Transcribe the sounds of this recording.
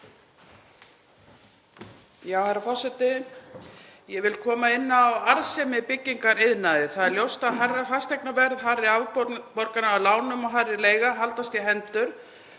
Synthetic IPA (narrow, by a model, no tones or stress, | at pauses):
jaːwhɛjɾafɔr̥sɛt̪ɪ | jɛvɪlkʰɔːmaɪnːaːwaɾsɛmɪpɪcːiŋkaɾɪðnaðɪθaðɛɾljowst̪aðɦarːafast̪ɛjknavɛɾðɦaɾɪavpɔnpɔɾkanaalaːwnʏmɔɦaːɾɪleːjɣaɦalt̪ast̪jɛɦɛnt̪ʏɾ̥